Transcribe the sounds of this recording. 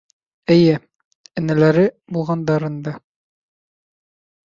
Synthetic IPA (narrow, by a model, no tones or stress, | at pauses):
ɘ̆jɘ | ɘ̆nælæɾɘbulˠʁɑnd̪ɑɾɤnd̪ɑ